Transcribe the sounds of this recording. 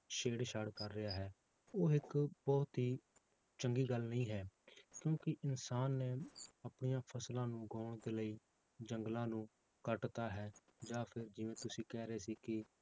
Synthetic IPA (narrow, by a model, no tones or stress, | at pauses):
ʃeːɽʃaːɽkəɾːɪjaːɦɛː | oːɪkbɔːt̪ɦiː | t͡ʃəŋɡiːɡəlnəĩːɦɛːkjõːkɪʔɪnsaːnːɛːəpɳɪjãːpʰəslãːnũːɡaːʊɳd̪eːləiː | d͡ʒəŋɡlãːnũː | kəʈt̪aːɦɛː | d͡ʒãːpʰɪɾd͡ʒɪʋẽːt̪ʊsĩːkɛːɾeːsiːkɪ